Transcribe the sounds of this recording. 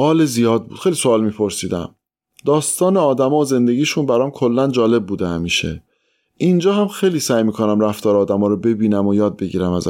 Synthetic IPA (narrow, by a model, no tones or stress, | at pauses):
ʔɒːlezijɒːd̪̚bṵ̥ːxejliso̞ːlmiːpʰo̞ɾsiːd̪æ̰m | d̪ɒːst̪ɒːneɒːd̪æmɒːoze̞nd̪e̞ɟiːʃunbæɾɒːmkʰolːænd͡ʒɒːle̞b̚ːuːd̪emiʃḛ | ʔind͡ʒɒːɦæmxejliːsæjmiːkʰo̞næmɾæft̪ʰɒːɾːd̪æmɒːɾobe̞biːnæmojɒːd̪̚be̞ɟḭːɾæmæz